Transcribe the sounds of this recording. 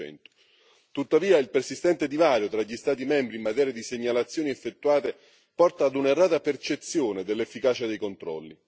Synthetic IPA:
ɛ̰nt̪ʊ̥ | t̪ut̪ːaviːailpersist̪ɛnt̪ed̪ivaːɾjot̪ɾaʎːist̪aːt̪̬imɛmbɾiːmat̪ɛːɾjad̪iseɲːalat̪sːjoːniefːet̪ːuaːt̪e | pɔrt̪aːd̪unerːaːt̪apert͡ʃet̪sːjoːned̪elːefːikaːt͡ʃad̪ejkont̪ɾɔ̰lːḭ

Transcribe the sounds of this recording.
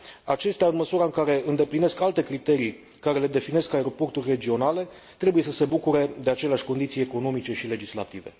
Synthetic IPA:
at͡ʃe̞st̪eaɨnməsuɾaɨŋkaɾe̞ɨnd̪e̞pline̞skalt̪e̞kɾit̪e̞ɾij | kaɾe̞led̪e̞fine̞skaeɾo̞po̞rt̪urʲre̞d͡ʒio̞nale̞ | t̪ɾe̞buje̞səse̞bukuɾed̪e̞at͡ʃeleaʃʲko̞nd̪it̪sije̞ko̞no̞mit͡ʃe̞ʃile̞d͡ʒisla̰t̪ive̞̰

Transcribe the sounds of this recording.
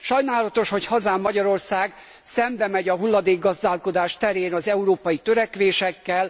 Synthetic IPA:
ʃɒjnaːlɒt̪o̞ʃho̞chɒzaːmːɒɟɒɾo̞rsaːɡ | sɛmbɛmɛɟɒɦulːɒd̪eːɡːɒzd̪aːlko̞d̪aːʃt̪ɛɾeːnɒzɛuɾoːpɒjit̪øɾɛkʋeːʃɛkːɛl

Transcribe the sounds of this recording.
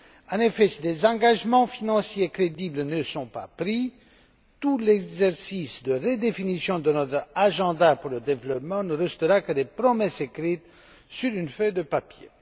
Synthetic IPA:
ɑ̃nefɛsid̪ezɑ̃ɡaʒmɑ̃finɑ̃sjekχed̪iblnəsɔ̃pa̰pʁi | t̪ulɛɡzɛʁsisd̪əʁəd̪efinisjɔ̃d̪ənɔt̪χaʒɑ̃d̪apuʁləd̪evlɔpmɑ̃nəʁɛst̪əʁakəd̪epʁɔmɛsekʁit̪ | syʁynfød̪əpapjḛ

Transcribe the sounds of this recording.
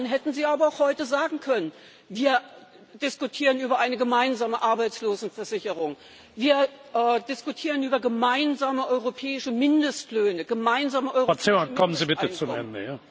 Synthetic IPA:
nɦɛtn̩ziːaːbɐaʊxhɔʏtəzaːɡŋ̩kʰœnən | viːɐ | d̥ɪskutʰiːʁənyːbɐʔaɪnəɡəmaɪnzaːməʔaɐbaɪt͡sloːzn̩fɛɐzɪçəʁ̞ʊŋ | viːɐʔɛːdɪskutʰiːʁənʔyːbɐɡəmaɪnzaːməʔɔʏʁopʰɛːɪʃəmɪndəstløːnəɡəmaɪnzaːməʔɔʏʁɐt͡semakʰɔmənziːbɪənt͡sʊmɛ̰ndə̰jaː

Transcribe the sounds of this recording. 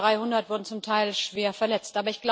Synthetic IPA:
ʁaɪhʊndɐtv̥ʊɐdn̩t͡sʊmtʰaɪlʃv̥eːɐfɛɐlɛt͡stʔaːbɐɪçɡ̥la

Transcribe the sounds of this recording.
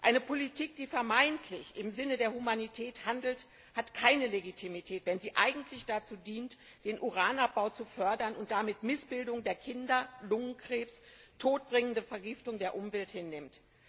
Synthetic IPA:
ʔaɪnəpʰolitʰiːk̚d̥iːfɛɐmaɪntʰlɪçɪmzɪnədeːɐhumanitʰɛːthandl̩t | hatkʰaɪnəleɡitʰimitʰɛːtv̥ɛnziːʔaɪɡŋ̩tʰlɪçd̥at͡suːdiːnt | d̥eːnʔuʁaːnap̚b̥aʊt͡sufœɐdɐnʊnt̚d̥amɪtmɪsb̥ɪldʊŋdeːɐkʰɪndɐlʊŋənkʁ̥eːpstʰoːt̚b̥ʁɪŋəndəfɛɐɡɪftʊŋdeːɐʔʊmvɛlthɪnːɪmt

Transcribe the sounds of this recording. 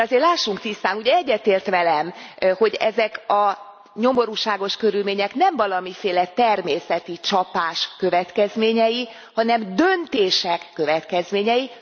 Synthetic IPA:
ɒzeːrlaːʃːuŋk̚t̪ist̪aːnuɟɛɛɟːɛt̪eːrt̪ʋɛlɛmho̞ɟɛ̰zɛkɒ | ɲo̞mo̞ɾuːʃaːɡo̞ʃkø̞ɾylmeːɲɛknɛɱvɒlɒmifeːlɛt̪ɛrmeːsɛt̪it͡ʃɒpaːʃkø̞vɛt̪kɛzmeːɲɛji | hɒnɛmd̪ønt̪eːʃɛkːøvɛt̪kɛzmeːɲɛji

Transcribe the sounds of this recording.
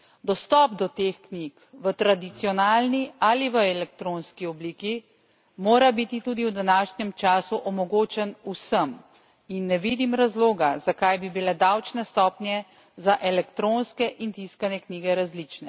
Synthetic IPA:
d̪ɔst̪ɔːpd̪ɔt̪eːxknik | ʋət̪ɾad̪it̪siɔnaːlnialiʋəɛlɛkt̪ɾoːnskiɔbliːki | moːɾabit̪it̪uːd̪iwd̪anaːʃnjɛmt͡ʃaːsuʔɔmɔɡoːt͡ʃɛnusəm | inːɛʋiːd̪imɾazloːɡazakajbibilɛd̪awt͡ʃnɛst̪ɔːpnjɛ | zaʔɛlɛkt̪ɾoːnskɛʔint̪iskanjɛkniːɡɛɾazlit͡ʃnɛ

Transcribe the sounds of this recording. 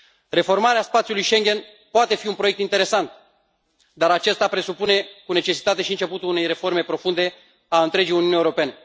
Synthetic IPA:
re̞fo̞rmaɾeaspat̪sijulujʃe̞ŋɡʲe̞n | poat̪e̞fiunpɾo̞jekt̪int̪e̞ɾe̞sant̪̚ | d̪aɾat͡ʃe̞st̪apɾe̞supune̞kune̞t͡ʃe̞si̥t̪at̪e̞ʃiɨnt͡ʃe̞put̪ulune̞jɾe̞fo̞rme̞pɾo̞fund̪e̞ | aɨnt̪ɾe̞d͡ʒijunijunijeuɾope̞ne̞

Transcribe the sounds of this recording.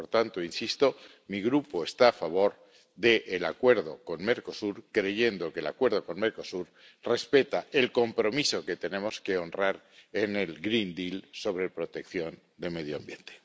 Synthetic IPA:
poɾt̪ant̪oinsist̪o̞ | miɣɾupo̞e̞st̪aːfaβ̞o̞ɾ | ðe̞ʔːlakwe̞ɾð̞o̞̰ko̞nme̞ɾko̞suɾkɾe̞ʝe̞nd̪o̞ke̞la̰kwe̞ɾð̞o̞ko̞nme̞ɾko̞suɾ | re̞spe̞t̪ae̞lko̞mpɾo̞miso̞ke̞t̪e̞nẽ̞mo̞ske̞o̞nraɾ | enelɡɾind̪ilso̞βɾe̞pɾo̞t̪e̞kθjo̞n | d̪e̞me̞ð̞joambje̞nt̪e̥

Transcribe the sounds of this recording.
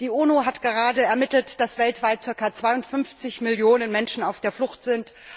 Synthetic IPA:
d̥iːʔuːnoɦatɡ̥əʁ̞aːdəɛɐmɪtl̩td̥asv̥ɛltv̥aɪt̚t͡sɪɐkat͡sv̥aɪʊntfʏnft͡sɪçmɪljoːnənmɛnʃn̩aʊfd̥eːɐflʊxtz̥ɪnt

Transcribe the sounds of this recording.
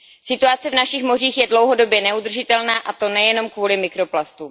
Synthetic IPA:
sɪt̪uat͡sɛvnaʃɪxmo̞riːxjɛdlowɦo̞do̞bjɛnɛud̪r̩ʒɪt̪ɛlnaːʔat̪o̞nɛjɛno̞mkvuːlɪmɪkɾo̞plast̪u

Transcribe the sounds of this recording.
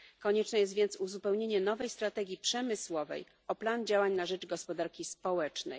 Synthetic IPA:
kɔɲɛt͡ʂnɛjɛst̪vʲjɛnt̪suzupɛwɲeɲɛnɔvɛjst̪ɾat̪ɛɡʲjipʂɛmɘswɔvɛ̰j | ɔpland͡ʑawaɲnaʐɛd͡ʐɡɔspɔd̪aɾkʲispɔwɛt͡ʂnɛ̰j

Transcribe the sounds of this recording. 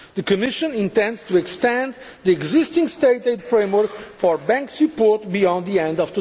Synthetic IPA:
ðɨkɨmɪʃɨ̃nĩnt̪ɛ̃ndst̪uɛkst̪ɛ̃nd̪ | ðiɛɡzɪst̪ĩŋst̪eɪt̪etfɹẽj̃mwəɾkfɔɹbæ̃ŋksɨpɔɹt̪̚biɔ̃nd̪ðiɛ̃nd̪ɔvd

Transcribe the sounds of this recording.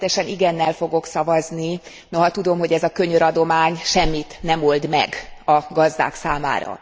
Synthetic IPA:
ɛʃɛniɡɛnːɛlfo̞ɡo̞ksɒvɒzni | no̞ɦɒt̪ud̪o̞mɦo̞ɟɛzɒkøɲøɾɒd̪o̞maːɲʃɛmːit̪nɛmo̞ld̪mɛ̰ɡɒɡɒzd̪a̰ːksaːma̰ːɾɒ̰

